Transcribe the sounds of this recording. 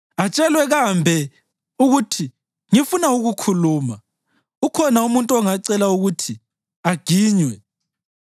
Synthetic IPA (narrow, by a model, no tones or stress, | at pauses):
at͡ʃʼɛlwɛɣambʱɛ | uɣutʰi | ŋifunauɣukʰuluːma | ukʰɔnaumuntʼɔŋaǀɛlauɣutʰi | aɡ̥ʱiːɲwɛ